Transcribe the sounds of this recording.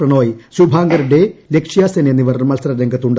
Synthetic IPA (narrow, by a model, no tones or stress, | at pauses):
rɐɳoːjsubʱaːŋɡɐɾuɽelekʂijaːsɐnenːiʋɐɾnmɐlsɐɾɐɾeŋɡʱɐt̪ːuɳɖ